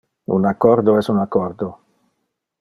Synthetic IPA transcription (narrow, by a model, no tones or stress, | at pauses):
ṵnakɔɾd̪oɛsunakɔɾd̪o